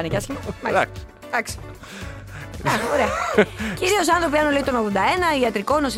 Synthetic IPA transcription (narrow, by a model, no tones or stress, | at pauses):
necɐsçimɐmɐ | d̪̥ɐksi̥ | ɐoɾeɐciɾio̞sɐnθɾo̞piɐnolit̪onoɣðod̪ɐe̞nɐiɐt̪ɾiko̞nosi